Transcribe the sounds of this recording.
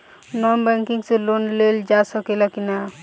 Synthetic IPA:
nɔnbɛ̃ŋkiŋselonleld͡ʒasɔkelakina

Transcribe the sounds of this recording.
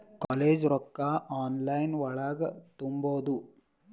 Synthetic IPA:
kaːleːd͡ʒɾɔkːaʔaːnlɐjnʋɐɭaːɡɐt̪umboːd̪u

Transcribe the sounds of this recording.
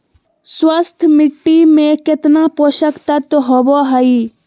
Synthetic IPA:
swəst̪ʰmɪʈːiːmẽːkɪt̪naːpoʃəkt̪ɐt̪ɦoboːɦaiː

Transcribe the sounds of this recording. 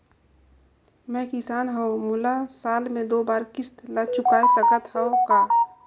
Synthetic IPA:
mɛ̃ːkɪsaːnɦoomʊlasaːlmẽd̪oːbaːɾkɪst̪lət͡ʃʰʊkaːesəkət̪ɦɛokaː

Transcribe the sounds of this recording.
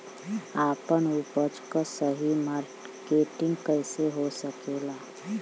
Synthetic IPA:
aːpənupəd͡ʒkasəɦimaɾ | keːʈɪ̃ŋɡkəɪseɦosəkela

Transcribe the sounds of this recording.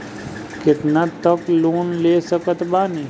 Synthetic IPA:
kɪt̪nat̪ːəkloːnleːsəkət̪baːne

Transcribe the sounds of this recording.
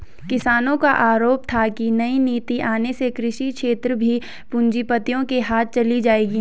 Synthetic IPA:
kɪsaːnõkaʔaːɾoːp̚t̪ʰakinɐiniːt̪iʔaːnesekɾɪʃikʃʰeːt̪ɾəbʱi | pʊ̃ɲd͡ʒipət̪ijõkeɦaːt̪̚t͡ʃɐlid͡ʒaːeːɡi

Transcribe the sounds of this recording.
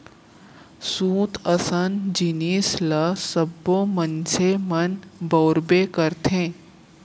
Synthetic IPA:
sũːt̪ʰəsənd͡ʒiniːsləsəbːomənt͡ʃʰemənbəʊɾbekəɾt̪ʰẽː

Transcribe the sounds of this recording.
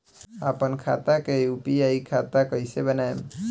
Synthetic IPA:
apənkʰa̰t̪akeupiaikʰat̪akɔjsebənaem

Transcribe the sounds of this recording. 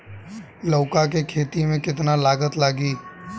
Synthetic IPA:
loːkakekʰeːt̪imẽkɪt̪nalaːɡət̪laːɡiː

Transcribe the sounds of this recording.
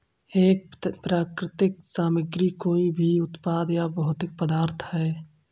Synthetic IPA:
eːk̚pɾaːkɾɪt̪ɪksaːməɡɾikoːibʱiʊt̪paːd̪jabɐɦʊt̪ɪk̚pəd̪aːɾt̪ʰɦɛː

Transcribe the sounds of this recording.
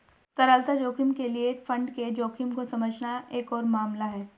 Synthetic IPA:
t̪ɐɾəlt̪ad͡ʒoːkʰimkelieːkfɐ̃ɳɖked͡ʒoːkʰɪmkosɐməd͡ʒnaeːkɔːɾmaːmlaɦɛː

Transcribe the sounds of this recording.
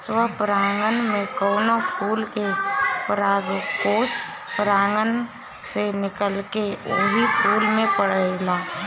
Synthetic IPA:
swəpɾaːŋɡənmẽkonopuːlkepɾaːɡkoːs | pɾaːŋɡən | senɪkəlkeoɦipuːlmẽpəɽəelaː

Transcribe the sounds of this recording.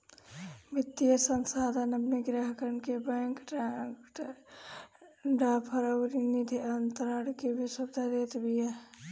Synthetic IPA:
mɪt̪ːijəsənsaːd̪ʱənɐbneɡɾaɦkəɾnkebɛːŋkʈʈ | ɖapʰəɾəwɾinid̪ʱiɐnt̪əɾaɽkebʱiswɐbd̪ʱad̪eːt̪bʱija

